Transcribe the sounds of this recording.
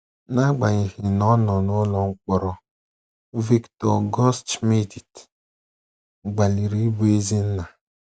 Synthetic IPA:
na˦ɡ͡ba˨ɲi˨hi˨nɔ˦nɔ˨nʊ˦lɔ˦ŋ̩˦k͡pɔ˦ɾɔ˨ | vi˦ktɔ˨ɡɔ˦stme˦di˨t | ɡ͡ba˨li˨ɾi˦bu˦e˦zi˦n̩˦na˨

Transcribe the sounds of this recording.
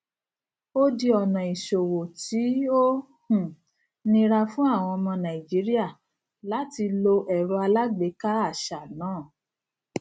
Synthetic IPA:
o˦di˧ɔ˨nã˨i˨ʃo˨wo˨ti˨˦o˦ | hũ˨ | nĩ˧ɾa˧fũ˦a˦˨w̃ɔ̃˧mɔ̃˧nã˨i˨d͡ʒi˨˦ɾi˦a˦˨ | la˨˦ti˧lo˧ʔɛ˨ɾo˧a˧la˦ɡ͡be˨˦ka˦a˦˨ʃa˨nãː˨˦˨

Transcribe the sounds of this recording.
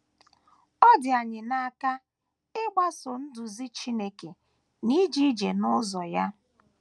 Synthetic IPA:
ɔ˦dɪ˨a˨ɲɪ˨na˦ka˦ | ɪ˦ɡ͡ba˦sɔ˨n̩˦dʊ˨zi˦t͡ʃi˦ne˦ke˨ | ni˦d͡ʒi˦d͡ʒe˨nʊ˦zɔ˨ja˦

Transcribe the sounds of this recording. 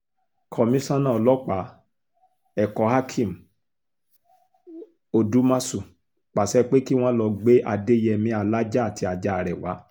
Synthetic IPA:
kʰɔ˧˨mĩ˦sã˦nã˦˨ɔ˧lɔ˦k͡pa˨˦ | ɛ˨kɔ˨˦ha˦kʰĩ˦˨m̩˨ | o˧du˨˦mã˦su˦˨ | k͡pa˨sɛ˦˧k͡pe˦ki˦w̃ɔ̃˦lɔ˧ɡ͡be˦ʔa˧de˦jɛ˧˨mĩ˧˦a˧˨la˦d͡ʒa˦˨tʰi˨˧a˧d͡ʒa˧a˨ɾɛ˨wa̰˨˦

